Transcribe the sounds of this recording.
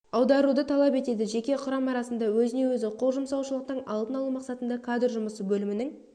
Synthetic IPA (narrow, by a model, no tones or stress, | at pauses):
ɑwd̪ɑɾud̪ət̪ʰɑlˠɑpe̞t̪e̞d̪ɪʒe̞kʲe̞qʰʊɾɑmɑɾɑsənd̪ɑwɵzɪne̞wɵzɪqʰolˠʒəmsɑwʃəlˠəq̚t̪ənɑlˠt̪ənɑlˠumɑqsɑt̪ənd̪ɑkʰad̪rʒʊməsəbɵlɪmɪnɪŋ